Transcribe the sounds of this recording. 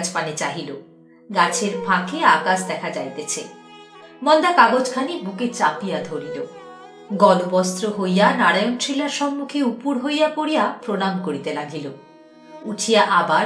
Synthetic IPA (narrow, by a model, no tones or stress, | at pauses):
d͡ʑpanet͡ɕaɦilo̰ | ɡat͡ɕʰeɾbʱãkʰeakaʃ̬d̪ɛkʰad͡ʑajt̪et͡ɕʰḛ | mɔnd̪akaɡod͡ʑkʰanibuket͡ɕapijad̪ʱoɾilo | ɡɔlobɔst̪ɾoɦojjanaɽajontɾilaɾʃɔmːukʰeupuɾɦojjapoɽijapɾonamkoɾit̪elaɡʱilo | ut͡ɕʰijaʔaba